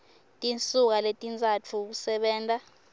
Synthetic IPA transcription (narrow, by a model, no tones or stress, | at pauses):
tʼint͡sʼuk̬aletʼint͡sʼat͡fʰuk̬usɛɓɛːntʼa